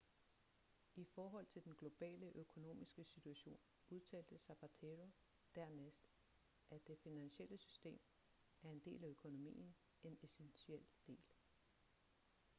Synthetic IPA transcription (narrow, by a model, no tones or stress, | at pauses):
ifɒːɦɒ̽l̰t͡sʰe̝ld̥enɡ̥lo̝b̥ɛ̰ːləʔøkʰo̝no̝̰ːmisɡ̥əsit͡sʰuæɕo̝̰ːn | uð̞ˠt͡sʰɛ̰ːld̥əsæb̥ʰæt͡sʰe̝ʁo̝ | d̥æɐ̰nesd̥ | ʔæd̥e̝finænɕeləsysd̥e̝̰ːm | æɐe̝nd̥e̝̰ːlæøkʰo̝no̝mḭːn̩ | e̝nesenɕiel̰d̥e̝̰ːl